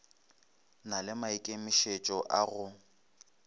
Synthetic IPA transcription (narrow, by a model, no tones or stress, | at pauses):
nalɪmaikʼemɪʃet͡ʃʼɔʔaɣʊ